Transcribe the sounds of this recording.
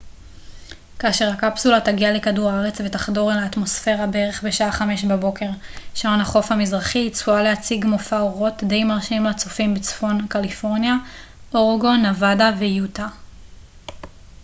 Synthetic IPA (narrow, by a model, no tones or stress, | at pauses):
kaːʃeʁhakapsulataɡialekaduʁaaʁet͡sve̞taχdo̞ʁelaːtmo̞sfe̞ʁabeeʁe̞χbe̞ʃaʔaχame̞ʃbabo̞ke̞ʁʃaonaχo̞fhamizʁaχiːt͡sualehat͡siɡmofaoʁo̞tde̞jmaʁʃimlat͡sofimbet͡sfo̞nkalifo̞ʁnja | ʔoʁɡo̞navadavejuta